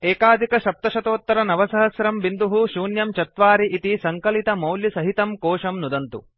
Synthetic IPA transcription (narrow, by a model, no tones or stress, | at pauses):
eːkaːd̪ʱikɐʃɐp̚t̪ɐʃɐt̪oːt̪ːɐɾɐnɐʋɐsɐɦɐsɾɐmʋind̪uɦuʃuːnjɐmt͡ʃɐt̪ʋaːɾiʔit̪isɐŋkɐlit̪ɐmɐwljisɐɦit̪ɐmkoːʂɐmnud̪ɐnt̪ṵ